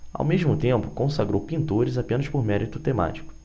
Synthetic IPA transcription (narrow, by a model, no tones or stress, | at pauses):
a̰wmeʒmʊt̪ẽmpʊkõsaɡɾowpĩnt̪oɾɪzapẽnɐʃpoɾmɛɾʔit̪ʊt̪ema̰t͡ʃi̥kʊ̥